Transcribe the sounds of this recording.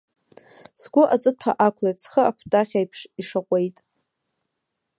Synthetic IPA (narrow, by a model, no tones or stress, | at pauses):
sɡʷʊʔat͡sʼɨpʰa̰ʔakʷʰlat͡sʰχəakʷʰtʼaχʲajpʰʂiʂaqʷʼe̞jtʼ